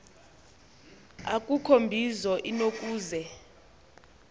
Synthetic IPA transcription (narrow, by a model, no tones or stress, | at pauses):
akʼukʰombʱizɔʔinokʼuːzɛ